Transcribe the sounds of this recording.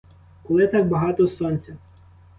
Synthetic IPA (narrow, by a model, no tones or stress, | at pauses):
kɔlˠɪt̪ɑk̚bɐɦɑt̪ɔsɔnʲt͡sʲɐ